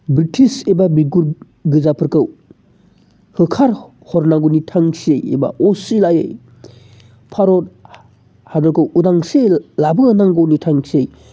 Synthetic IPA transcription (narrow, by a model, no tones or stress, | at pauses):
bɾitʰisebabiɡuɾ | ɡɯzapʰɯɾkɯw | hɯkʰaɾ | hɔɾnaɡunitʰaŋsiejḛba̰ʔosilajej | pʰaɾot̚ | hadɔɾkɯwudaŋselabɯŋanaŋɡownitʰaŋsej